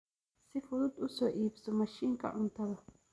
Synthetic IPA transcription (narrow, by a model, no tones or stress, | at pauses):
sɪfʊlʊt̪ʊsɔʔiːpsɔmɐʃiŋkɐ̰ʔʊnt̪ɐd̪ɐ